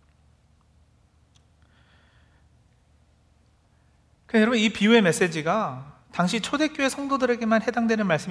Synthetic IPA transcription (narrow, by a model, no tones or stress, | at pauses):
kɯjʌɾʌbunipiue̞me̞s͈e̞d͡ʑiɡa | taŋɕʰit͡ɕʰode̞k͈oe̞sʰʌŋdodɯɾe̞ɡe̞manhe̞daŋdwenɯnmaɭs͈ɯm